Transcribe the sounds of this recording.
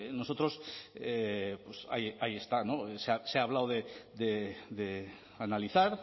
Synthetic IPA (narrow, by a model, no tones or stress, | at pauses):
no̞so̞t̪ɾo̞sepwesa̰jaje̞st̪ano̞eseaseaβ̞lawðe̞d̪eðe | analiθaɾ